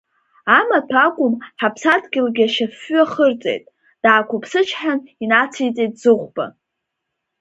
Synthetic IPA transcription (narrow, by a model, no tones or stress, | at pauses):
amatʷʰakʷʼʊmħapʰsadɡʲɪlɡʲaʃafːɥaχərt͡sʼḛjtʼ | d̥aːkʷʰʊpʰsɨt͡ʃʰħaninat͡sʰijt͡sʼejtʼzɨʁʷba̰